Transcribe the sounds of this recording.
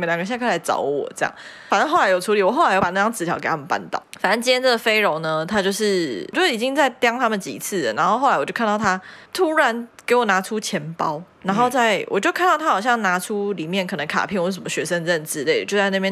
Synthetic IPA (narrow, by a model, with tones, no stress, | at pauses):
ljɡə˧˩ɕkʰla˧ɪɑ̰˧˥ʊwɔ̰˨˩ʈ͡ʂɤ˥˧˩jɑ̰˥˩ŋ | fa˨nə˥˧xo˥˩ʊla˧˥ɪjo˨˩ʈ͡ʂʰu˧˥li˨˩wɔ˨˩xo˥˩˧jo˥˩a˨˩nə˥˩jɑ˥nt͡sɹ̩˧˥t̪ʰjɑ˨˥ʊke˨˩a˥mə˨˩pa̰˥˧˩nt̪ɑ̰˥˩ʊfa˨˩nə˥˩t͡ɕi˥jɛ˥nt͡sə˥˩ɡə˩fe˥ɪɻo˧˥ŋnə˧˦t̪ʰa˥t͡ɕjo˥˧ʊʂɻ̩˥˩t͡ɕjo˥˩ʂi˨˩t͡ɕi˦ŋt͡sa˥˩ɪt̪jɑ˥ŋt̪ʰa˥mə˨nt͡ɕḭ˨˩˨t͡s̩ʰ˥˩lə̰˨˩na˧˥nxo˥ʊxo˥˩ʊa˧˦wɔ˨t͡ɕo˥˧k̪ʰɑ˥˩t̪ʰa˥t̪ʰu˦˥ɻa˨˧˦nke˧˥ɪwɔ˨˩na˧˥ʈ͡ʂʰu˥t͡ɕʰjɛ˧˥npɑ˦ʊna˧˥nxo˥˧ʊt͡sa˥˩ɪwʔɔ̰˨t͡ɕjo˥˧kʰa˥˧nt̪ɑ˥˩ʊt̪ʰa˥xɑ˨˩ʊɕjɑ˥˩ŋna˧˥ʈ͡ʂʰu˥li˨˩mjɛ˥˩nkʰɤ˨˩nə˧˥ŋkʰa̰˨˩pʰjɛ˥˩ŋwsə˨˦mə˦ɕɥɛ˧˥ʂə˦˥nɻə˥˧˩nʈ͡ʂɻ̩˧˥le˥˩ɪ˩t͡ɕjo˥˧ʊt͡sa˥˧na˥˧˩pjɛ˥˩